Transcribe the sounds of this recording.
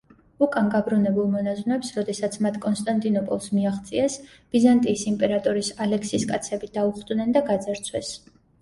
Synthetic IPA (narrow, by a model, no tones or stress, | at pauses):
ukʼanɡabɾunɛbulˠmɔnaznɛpsɾɔd̪ɛsat̪sʰmat̪ʰkʼɔnst̪ʼant̪ʼinɔpʼɔlˠsmiaχt̪sʼiɛs | b̥izant̪ʼiːsimpʼɛɾat̪ʼɔɾisalɛkʰsiskʼat̪sʰɛbid̪auχd̪nɛnd̪aɡad̪zaɾt̪sʰwɛs